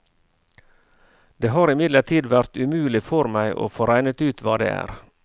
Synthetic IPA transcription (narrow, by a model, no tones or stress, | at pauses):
d̪eːɦɑːɾɪmɪd̪ləʈʰiːd̪ʋæɾt̪ʉmʉːlɪfɔɾmæɪʔo̰ːfoːɾæɪnət̪ʉːt̪ʰʋɑːd̪ḛːʔæ̰ːɾ